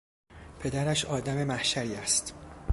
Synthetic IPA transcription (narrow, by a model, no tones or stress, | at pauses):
pʰe̞d̪æɾæʃɒːd̪æme̞mæhʃæɾiːæst̪